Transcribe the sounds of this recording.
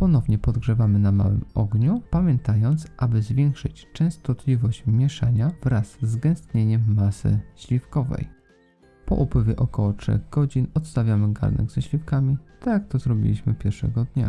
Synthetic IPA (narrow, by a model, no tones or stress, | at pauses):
pɔnɔvɲɛpɔd̪ɡʐɛvamɘnama̰wɘ̰mɔ̰ɡɲupamʲjɛnt̪ajɔnt̪sʔabɘzvʲjɛŋkʂɘt͡ɕt͡ʂɛ̃w̃st̪ɔt̪lʲivɔɕt͡ɕmʲjɛʂaɲavɾazːɡɛ̃st̪ɲeɲɛmːasɘ̰ɕlʲifkɔvɛ̰j | pɔ̰ʔupwɘvʲjɛʔɔkɔwɔtʂɛ̰ɣɡɔd͡ʑinɔt̪st̪avʲjamɘɡa̰ɾnɛ̰ɡz̥ɛɕlʲifkamʲit̪ak̚t̪ɔzɾɔbʲḭlʲiɕmɘpʲjɛɾʂɛ̰ɡɔd̪ɲa̰